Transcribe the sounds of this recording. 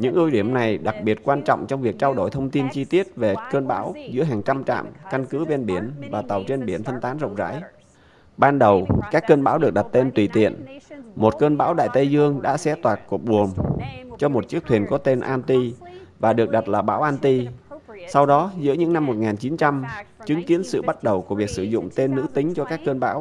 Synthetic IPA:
ɲɨ̰˧˥ŋʔɨ˧ɗi˧˩əmna˨˩jɗa˨˩k̚ɓi˨˩ət̚kwaː˧nt͡ɕɔ̰˧˨wŋ͡mt͡ɕɔ˧wŋ͡mvi˨˩ək̚t͡ɕaː˧wɗo˧˩jt̪ʰə˧wŋ͡mt̪i˧nt͡ɕi˧t̪i˦˥ət̚ve˨˩kəː˧nɓa̰ː˧˥wzɨ̰˧˥əɦaː˨˩ŋt͡ɕa˧mt͡ɕa̰ː˧˨mka˧nkɨ˨˦ɓe˧nɓi˧˩ənvaː˨˩t̪ə˨˩wt͡ɕe˧nɓi˧˩ənt̪ʰə˧nt̪aː˨˦nzə̰˧˨wŋ͡m̚za̰ː˧˥j | ɓaː˧nɗə˨˩wkaː˦˥kːəː˧nɓaː˧˥wɗɨ˨˩ək̚ɗa˨˩t̚t̪e˧nt̪wi˧˩t̪ḭ˧˨ənmo˨˩t̚kəː˧nɓa̰ː˧˥wɗa̰ː˧˨jt̪ə˧jzɨ˧əŋɗa̰ː˧˥sɛ̰˧˥t̪waː˨˩t̚ku˨˩k̚ɓu˨˩əmt͡ɕɔ˧mo˨˩t̚t͡ɕɨ˦˥ək̚t̪wi˨˩ənkɔ˨˦t̪e˧nʔaː˧nt̪i˧vaː˨˩ɗɨ˨˩ək̚ɗa˨˩t̚laː˨˩ɓa̰ː˧˥wʔaː˧nt̪i˧sa˧wɗɔ˨˦zɨ̰˧˥əɲɨ̰˧˥ŋna˧mːo˨˩t̚ŋaː˨˩nt͡ɕi˨˦nt͡ɕa˧mt͡ɕɨ˨˦ŋki˨˦ənsɨ̰˧˨ɓa˦˥t̚ɗə˨˩wku˧˩əvi˨˩ək̚sɨ˧˩zʊ̰˧˨ŋ͡mt̪e˧nːɨ̰˧˥t̪ï˨˦ŋ̟t͡ɕɔ˧kaː˦˥kːəː˧nɓa̰ː˧˥w

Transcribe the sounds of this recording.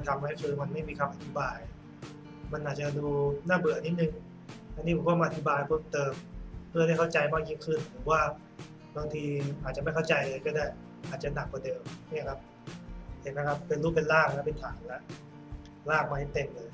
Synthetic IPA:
t̪ʰa˧mːa˦˥jkʰɯː˧ma˧nma˥˩jmiː˧kʰa˧mʔa˨˧t̪ʰi˦˥baː˧j | ma˧nʔaː˨˩t̚t͡ɕa˨˩duː˧naː˥˩bɯ˨˩ʔnːi˦˥t̪̚nɯ˧ŋ | ʔa˧nːiː˦˥o˨˦waː˥˩m˧ʔt̪ʰi˦˥baː˧jpʰɤː˥˩mt̪ɤː˧mʰɯ˥˩˨da˥˩jkʰa˥˩t͡ɕa˧jmaː˥˩k̚jiː˥˩ŋkʰɯ˥˩nʰuː˩˦˥waː˥˩ | ba˧ŋt̪ʰiː˧ʔaː˨˩t͡ɕa˨ma˥˩jkʰa˥˩wt͡ɕa˧jkɔː˥˩daː˥˩j | ʔaː˨˩t̪̚t͡ɕa˨˩na˨˩k̚bɔ˧de˧wmi˥˩ɐkʰa˦˥p̚ʰ | e˨˧˩ka˦˥˩kʰa˦˥pːe˧nluː˥˩pe˧nlaː˥˩ŋlɛ˦˥pe˧nt̪ʰaː˩˦ŋlɛ˦˥ʔ | laː˥˩ŋ̚maː˧ha˥˩t̪e˧mlɤː˧j

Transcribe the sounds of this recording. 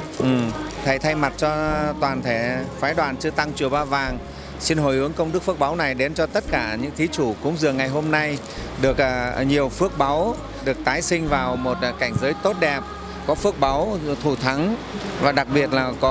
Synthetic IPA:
ʔɨ˨˩t̪ʰə˧˩jt̪ʰa˧jma˨˩t̚t͡ɕɔ˧t̪waː˨˩nt̪ʰe˧˩faː˨˦jɗwaː˨˩nt͡ɕɨ˧ət̪a˧ŋt͡ɕwəwɓaː˧vaː˨˩ŋ | si˧nɦo˨˩jʔɨ˨˦əŋkə˧wŋ͡mɗɨ˦˥ək̚fɨ˦˥ək̚ɓa˨˦wna˨˩jɗe˨˦nt͡ɕɔ˧t̪ə˦˥t̚kaː˧˩ɲɨ̰˧˥ŋt̪ʰi˨˦t͡ɕu˧˩kʊ̰˧˥ŋ͡mzɨ˨˩əŋːa˨˩jɦo˧mna˧j | ɗɨ˨˩ək̚ːɲi˨˩əwfɨ˦˥ək̚ɓa˨˦w | ɗɨ˨˩ək̚t̪aː˨˦jsï˧ŋ̟vaː˨˩wmo˨˩t̚ːka˧˩jŋ̟zəː˨˦jt̪o˦˥t̚ɗɛ˨˩p̚ | kɔ˨˦fɨ˦˥ək̚ɓa˨˦wt̪ʰu˧˩t̪ʰa˨˦ŋvaː˨˩ɗa˨˩k̚ɓi˨˩ət̚laː˨˩kɔ˨˦

